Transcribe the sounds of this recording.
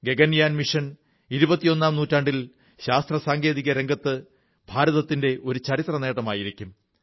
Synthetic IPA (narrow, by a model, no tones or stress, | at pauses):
ɡe̞ɡɐnjaːnmiʂɐn | iɾubɐt̪ːijo̞nːaːmnuːtːaːɳɖil | ɕaːst̪rɐsaːŋɡe̞ːðiɣɐɾe̞ŋɡɐt̪ːɨ | bʱaːɾɐðɐt̪ːinde̞ʔo̞ɾut͡ɕɐɾit̪rɐne̞ːʈɐmaːjiɾikʲːum